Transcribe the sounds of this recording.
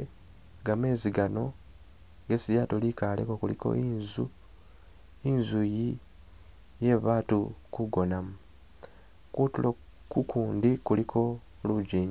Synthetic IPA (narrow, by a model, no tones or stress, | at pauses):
ɡame̞ːziɡano̞ | ɡesiljatolikalḛkokulḭko̞̰ʔinzu | inzuji | je̞βaːtukuɡo̞namu | kutulo | kukʰuːndikulikʰo̞ | luɟiːɲ